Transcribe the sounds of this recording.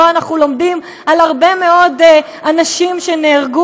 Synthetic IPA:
oanaχnulo̞mdim | alhaʁbe̞me̞o̞d | anaʃimʃe̞neːʁɡu

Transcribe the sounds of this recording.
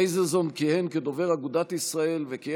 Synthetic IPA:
ejzezonkihenked̪o̞ve̞ʁaɡud̪at̪isʁae̞lveki

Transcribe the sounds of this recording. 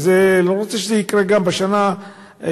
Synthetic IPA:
zeloʁot͡seʃezɛikʁeɡambeʃana

